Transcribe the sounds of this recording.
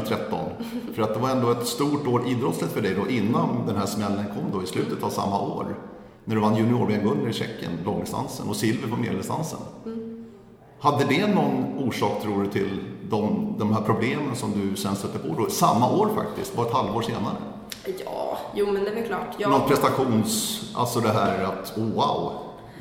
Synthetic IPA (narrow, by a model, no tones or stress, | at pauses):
t̪ʰɾɛt̪ːɔ̰n | fœɾat̪̚d̪ɛvaɾɛnd̪oːɛt̪st̪uːʈoːɾiːd̪ɾɔt̪slət̪fœɖɛjd̪ɔʔɪnːand̪ɛnɦæʂmɛlːənkʰɔmːd̪ɔɪslʉ̟ːt̪ət̪avsa̰mːa̰ʔo̰ːɾ | næɖɵvanːjʉnɪo̰ːɾbɛːnɡɵnːəɾɪɕɛ̰kːə̰nlɔŋːst̪a̰nsə̰nɔsɪlvəpɔmḛd̪st̪a̰nsə̰n | had̪ːəd̪ɛnɔnːuːʂɑːk̚t̪ʰɾuːɖɵt̪ʰɪld̪ɔmd̪ɔmhæːɾpʰɾʊbleːmənsɔmd̪ɵsɛnst̪ɵt̪ːəɾpʰɔd̪ɔsamːaʔoːɾfa̰k̚t̪ɪst̪vɑɛt̪halvoːɾʂeːnaɾə̰ | jɑːjuːmɛnd̪ɛvɛkʰlɑːʈnɔn̚pʰɾɛst̪aɧuːnsʔa̰lt̪sɔd̪ɛɦæːɾat̪uːva̰ʊ